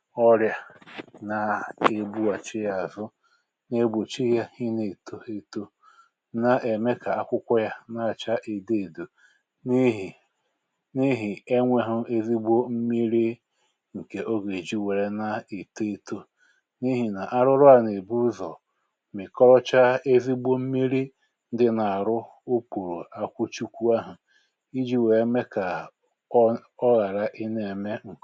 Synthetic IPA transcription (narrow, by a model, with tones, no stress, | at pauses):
ɔ˦ɾja˦na˨e˦bu˦a˨t͡ʃɪ˦ja˨zʊ˦ | ne˦bʊ˨t͡ʃi˦ja˦hi˦ne˨tʰo˦e˦to˦ | na˨ʔe˨me˦ka˨a˦kʷʊ˦kʷʊ˦ja˦na˦˨t͡ʃa˦ʔe˨de˦e˨do˨ | ni˦ɦi˨ | ni˦ɦi˨e˦ŋʷe˨ɦʊ˦e˦zi˦ɡ͡bo˦m̩˦mi˦ɾi˦ | ŋ̩˨ke˨ʔo˦ɡe˨d͡ʒi˦we˨ɾe˦na˦e˨te˦e˦to˦ | ni˦ɦi˨na˨ʔa˦ɾʊ˦ɾʊ˦a˨ne˨bu˦zɔ˨ | mɪ˨kɔ˦ɾɔ˦t͡ʃa˦e˦vi˦ɡ͡bo˦m̩˦mi˦ɾi˦ | n̩˦dɪ˦na˨a˨ɾʊ˦ | o˦k͡pu˨ɾo̰˨a˦kʷu˦t͡ʃu˦kʷu˦a˦ɦʊ˨ | i˦d͡ʒi˦we˨e˦me˦ka˨ | ɔ˦ɣa˨ɾa˦ʔi˦ne˨e˨me˦ŋ̩˨